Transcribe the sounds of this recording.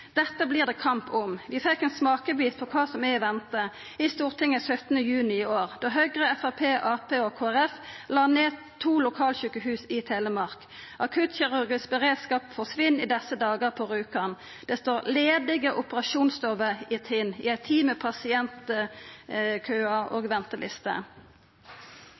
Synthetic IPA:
d̪̥ɛt̪ːəbliːʁd̪ɛːkʰɑmpʊmʋɪfɛkːɛnsmɑːkəbiːt̪̚pʰɔkʰʋɑːsɔmɛʋɛnt̪ə | ɪst̪uːʁt̪ʰɪŋːəsœt̪ənəjʉːnɪɪoːʁd̪ɔɦœɡʁəɛfɑpʰeːʔɑːpʰeːɔkʰoːæʁɛflɑːneː | t̪ʰuːlʊkʰɑːlçʉːkəɦʉːsɪt̪ʰeːləmɑʁk | ʔɑkʰʉt̪çɪʁʉʁɡɪsbəʁeːd̪skɑːpfɔsʋɪnːɪd̪ɛsəd̪ɑːɡəʁpʰɔʁʉːkɑn | d̪̥ɛst̪oːʁleːd̪ɪɡəʔʊpəʁɑʃuːnst̪ɔʋəɪt̪ʰɪnɪ̰æɪt̪ʰiːməpʰɑsɪɛnt̪ə | kʰøːəɑʔoːɡʋɛnt̪əlʔɪ̰st̪ə̰

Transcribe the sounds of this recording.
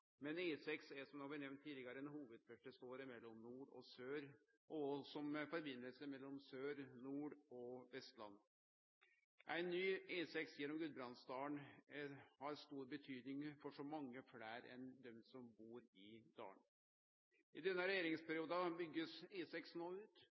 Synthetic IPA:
mɛneːsɛksæsɔmnoːbæɾnɛʋnt̪ʰːiːd̪lɪɡɑɾəɛnhuːʋəd̪̚pʰœʈəst̪oːɾɪmɛlːɔmnuːɖɔ̰søːɾ | ʔɔsɔmfɔɾbɪnːəlsəmɛlːɔmsøːɾnuːɖɔʋɛst̪lɑ̰nː | ʔæɪnːyːeːsɛksjɛnːɔmɡʉlbɾɑnsd̪ɑːəɳ | hɑɾst̪uːɾbət̪ʰyːd̪nɪŋfɔʂɔmɑŋːəfɽæːɾɛ̰nd̪œmsɔmbuːɾɪd̪̥ɑ̰ːəɳ | ʔɪd̪ɛnːəɾɛjeːɾɪŋspʰæɾɪuːd̪əbʏɡːəseːsɛksnoːʉːt̪

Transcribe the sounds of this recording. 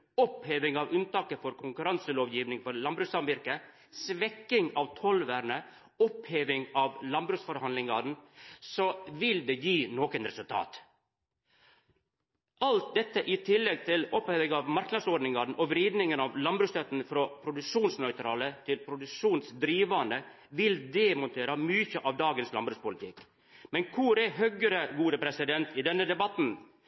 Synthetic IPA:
ɔpheːʋɪŋɑʋʉnt̪ɑːkəfɔɾkʰʊŋkʉɾɑnsəloːʋjiːʋnɪŋfɔɾlɑnbɾʉːsɑmʋɪɾkə | sʋɛkːɪŋɑʋt̪ʰɔlʋæːɾɳə | ɔpheːʋɪŋɑʋlɑnbɾʉːsfɔɾhɑnd̪lɪŋɡɑn̩sɔʋɪld̪ɛjiːnoːkənɾɛsʉlt̪ʰɑ̰ːt̪ | ɑlt̪̚d̪ɛt̪ːəʔɪt̪ʰɪlːɛɡ̚t̪ʰɪlɔphœʋɪɡɑʋmɑɾknɑd̪sɔɖnɪŋɡɑɖn̩ʔɔʋɾiːd̪nɪŋənɑʋlɑnbɾʉːst̪œt̪n̩fɾɔpʰɾʊd̪ʉkʂuːnsnœʏt̪ʰɾɑːlət̪ʰɪlpʰɾʊd̪ʉkʂuːnsd̪ɾiːʋɑnd̪ə | ʋɪld̪ɛmʊnt̪ʰeːɾəmyːçəʔɑʋd̪ɑːɡənslɑ̰nbɾʉːspʊlɪt̪ʰɪk | mɛnkʰʊɾɛɦœɡəɾəɡuːd̪əpʰɾɛsɪd̪ɛnt̪ɪd̪ɛnːəd̪ɛbɑt̪n̩

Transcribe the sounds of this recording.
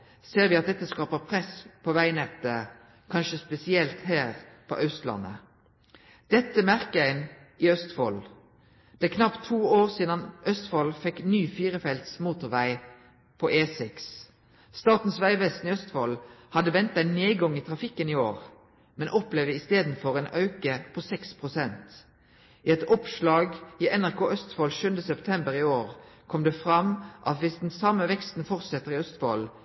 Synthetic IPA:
seːʁʋɪɑt̪̚d̪ɛt̪ːəskɑːpəpʰʁɛspʰɔʋæɪnɛt̪ːə | kʰɑnʃəspɛsɪɛlt̪hæːʁpʰɔ̰ʔœst̪lɑ̰nːə̰ | d̪̥ɛt̪ːəmæʁkəæɪn | ɪœst̪fɔl | d̪̥æːkʰnɑpt̪ʰːuːoːʁsiːd̪ɑnʔœst̪fɔlfɛknyːfiːɾəfɛlt̪smuːt̪ʊʁʋæɪ | pʰɔʔeːsɪks | st̪ɑːt̪n̩sʋæɪʋɛst̪nɪœst̪fɔlhɑd̪əʋɛnt̪ɑɪnneːɡɔŋiːt̪ʰʁɑfɪkːənɪoːʁ | mɛnʔɔpleːʋd̪əɪst̪eːd̪n̩fɔʁeːnʔɑʉkəpʰɔsɛkspʰʁʊsɛnt̪ | ɪɛt̪ɔpʃlɑːɡiɛnæʁkʰoːʔœst̪fɔlʃʉnd̪əsɛpt̪ʰɛmbəʁɪoːʁkʰɔmd̪ɛfʁɑmʔɑt̪ʋɪsd̪ɛnsɑmːəʋɛkst̪n̩fɔʁt̪sɛt̪ːəʁɪœst̪fɔ̰l

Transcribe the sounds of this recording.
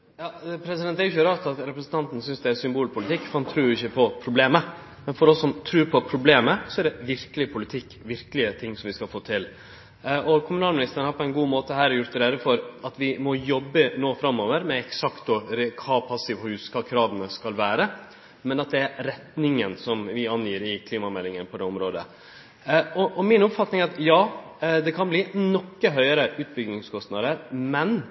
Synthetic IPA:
jɑːpʰɾɛsɪd̪ɛnt̪ɛɾjʉçəɾɑːt̪ɑt̪ɾɛpɾəsn̩t̪ʰɑnt̪n̩sʏnsd̪ɛæɾsʏmbuːlpʰʊlɪt̪ʰɪkːfɔɾhɑnt̪ʰɾʉːɪçːəpʰɔpʰɾʊbleːmə | mɛnfɔɾɔsːɔmt̪ʰɾʉːɾpʰɔpʰɾʊbleːməsɔæɖɛʋɪɾkəlɪpʰʊlɪt̪ʰɪkːʋɪɾkəlɪət̪ʰɪŋːsɔmʋɪskɑlfoːt̪ʰɪl | ʔɔkʰʊmʉnɑːlmɪnɪst̪əɾənhɑɾpʰɔɛɪnɡuːmoːt̪əɦæːɾɛjʊɾt̪ːəɾɛd̪əfɔɾɑt̪ʋɪmɔjɔbːənoːfɾɑmːoːʋəɾmɛɛksɑkt̪̚ɔkʰɑːpʰɑsːɪʋhʉːskʰɑːkʰɾɑːʋənəskɑlʋæːɾə | mɛnɑt̪̚d̪ɛæɾɾɛt̪nɪŋənsɔmʋɪɑnjiːɾɪkʰliːmɑmɛlːɪŋənpʰɔd̪ɛːɔmɾoːd̪ə̰ | ɔʔɔmɪnʊpfɑt̪nɪŋɛɾɑt̪jɑːd̪ɛkʰɑnbliːnɔkːəɦœʏəɾəʉːt̪̚bʏɡnɪŋskʰɔst̪nɑd̪əɾmɛn

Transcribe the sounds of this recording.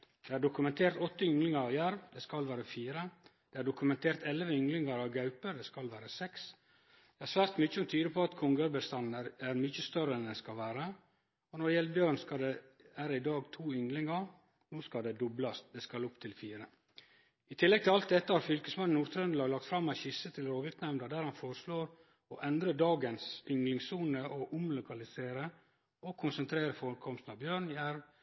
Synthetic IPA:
d̪̥eːæɖʊkʉmɛnt̪ʰeːɾt̪ɔt̪ːəʏŋlɪŋəɾɑʋjæɾʋd̪eskɑlʋæːɾəfiːɾəd̪̥eːæɖʊkʉmɛnt̪ʰeːɾt̪ɛlʋəʏŋlɪŋɑɾɑʋɡɑʉpəd̪eːskɑlʋæːɾəsɛks | d̪̥eːæɾsʋæːɾt̪mʏçəɔmt̪ʰyːd̪əpʰɔɑt̪kʰʊŋɡəɾbəst̪ɑnəɾæɾmʏçəst̪œɾəɛnd̪ɛskɑlʋæːɾə | ɔnɔɖɛjɛlbjøɾənskɑd̪eʋæːɾəɪd̪ɑːɡt̪ʰuːʏŋlɪŋəɾ | noːskɑld̪ɛd̪ʊblɑst̪̚d̪ɛskɑlʊpt̪ʰɪlfiːɾə | ɪt̪ʰɪlːɛɡ̚t̪ʰɪlɑlt̪̚d̪ɛt̪ːəhɑɾfʏlkəsmɑnn̩ːuːɾt̪ʰɾœnlɑːɡlɑk̚t̪fɾɑmːæɪçɪsət̪ʰɪlɾoːʋɪɾt̪nɛmnəd̪æːɾhɑnfoːɾəʂloːɾ | ɔʔɛnd̪ɾəɖɑːɡənsʏŋlɪŋsuːnəʔɔʔʊmlʊkɑlɪseːɾə | ɔkʰʊnsənt̪ʰɾeːɾəfɔɾkʰɔmst̪n̩ɑʋbjøːɾɳjæɾʋ

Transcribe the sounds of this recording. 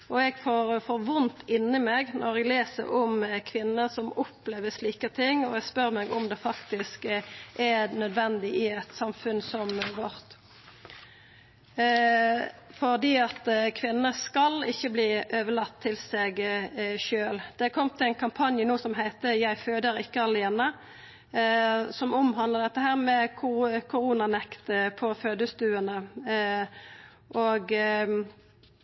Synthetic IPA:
ɔɛɡfoɾfɔɾʋʊnt̪ʰɪnɪmeːɡnɔɾɛɡleːsə̰ɾɔmkʰʋɪnːəsɔmɔpleːʋəʂliːkət̪ʰɪŋɔɛɡspœɾmɛɡɔmd̪ɛfɑkt̪ɪskʔænœd̪ʋɛnd̪ɪʔɪɛt̪sɑmfʉnsɔmʋɔɾt̪ | fɔd̪iːɑt̪kʰʋɪnːəskɑlɪçːəbliːʔøːʋəlɑt̪ʰːɪlsɛɡʃøːld̪̥ɛkʰɔmt̪ʰɪlæɪnkʰɑmpʰɑnjənuːsɔmɦæɪt̪əjæɪføːd̪əʁɪkːəɑlɪɛːnə | sɔmʊmhɑnləʁd̪ɛt̪ːəhæːʁmɛkʰʊkʰʊʁuːnɑnɛkt̪əpʰɔføːd̪əsd̪ʉːənə | ʔoːɡ

